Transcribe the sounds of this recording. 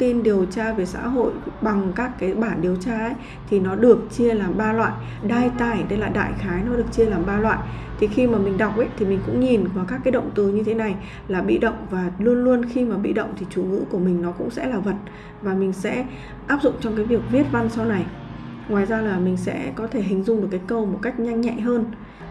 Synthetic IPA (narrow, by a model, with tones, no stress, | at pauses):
t̪i˧nɗi˨˩əwt͡ɕaː˧ve˨˩sa̰ː˧˥ɦo̰˧˨jɓa˨˩ŋkaː˦˥kːaː˨˦jɓaː˧˩nɗi˨˩əwt͡ɕaː˧ʔə˨˦j | t̪ʰi˨˩nɔ˨˦ɗɨ˨˩ək̚t͡ɕi˧əlaː˨˩mɓaː˧lwa̰ː˧˨j | ɗaː˧jt̪aː˧˩jɗe˧jlaː˨˩ɗa̰ː˧˨jxaː˨˦jnɔ˨˦ɗɨ˨˩ək̚t͡ɕi˧əlaː˨˩mɓaː˧lwa̰ː˧˨j | t̪ʰi˨˩xi˧maː˨˩mï˨˩ŋ̟ɗa˨˩wk͡p̚ʔə˨˦t̪ʰi˨˩mï˨˩ŋ̟kʊ̰˧˥ŋ͡mɲi˨˩nvaː˨˩kaː˦˥kːaː˨˦jɗə̰˧˨ŋ͡mt̪ɨ˨˩ɲɨ˧t̪ʰe˨˦na˨˩j | laː˨˩ɓḭ˧˨ɗə̰˧˨wŋ͡mvaː˨˩lu˧ənlu˧ənxi˧maː˨˩ɓḭ˧˨ɗə̰˧˨wŋ͡mt̪ʰi˨˩t͡ɕu˧˩ŋɨ̰˧˥ku˧˩əmï˨˩ŋ̟nɔ˨˦kʊ̰˧˥ŋ͡msɛ̰˧˥laː˨˩və˨˩t̚ | vaː˨˩mï˨˩ŋ̟sɛ̰˧˥ | ʔaː˦˥p̚zʊ̰˧˨ŋ͡mt͡ɕɔ˧wŋ͡mkaː˨˦jvi˨˩ək̚vi˦˥ət̚va˧nsa˧wna˨˩j | ŋwaː˨˩jzaː˧laː˨˩mï˨˩ŋ̟sɛ̰˧˥kɔ˨˦t̪ʰe˧˩ɦï˨˩ŋ̟zʊ˧ŋ͡mɗɨ˨˩əkːaː˨˦jkə˧wmo˨˩t̚ka˦˥jk̟̚ɲa˧jŋ̟ɲa̰˧˨jɦəː˧n